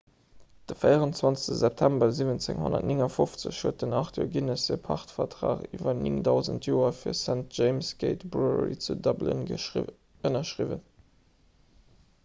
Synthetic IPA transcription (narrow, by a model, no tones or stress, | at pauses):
d̥əfəɪəʁənt͡svɑnt͡sə̥stəzɛp̚tʰæmbɐziːvənt͡sḛŋho̰nɐ̰tnɪŋɐfoft͡sə̰ɕhuət̚dənɑχtʰo̰ːɡinəsepʰɑ̰χtfɐtʁa̰ːχiːvɐnɪŋdɑʊzə̰ntʰjoːɐfiːɐsænt̚ʒ̥eɪmsɡ̥eɪtbʁuʁḭt͡sudɑblə̰n | ənɐʃʀivə̰n